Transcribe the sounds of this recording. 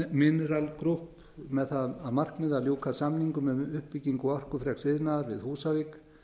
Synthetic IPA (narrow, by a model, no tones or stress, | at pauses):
mɪnɛɾalkɾuhp | mɛðθaðaðmar̥kmɪðaljowkʰasamniŋkʏmɛðʏhpːiciŋkɔɔr̥kʏfɾɛksɪðnaðaɾvɪðhuːsavik